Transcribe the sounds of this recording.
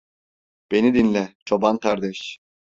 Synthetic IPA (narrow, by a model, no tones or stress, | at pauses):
b̥e̞nid̪inlʲɛt͡ʃʰobant̪ʰaɾd̪ɛʃ